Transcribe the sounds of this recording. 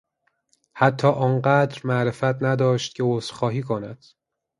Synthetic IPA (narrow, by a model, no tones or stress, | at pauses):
hæt̪ʰːɒːʔɒːnɢæd̪ɾmæʔɾefæt̪ʰnæd̪ɒːʃt̪̚cʰeosxɒːɦiːkʰonæd̪̥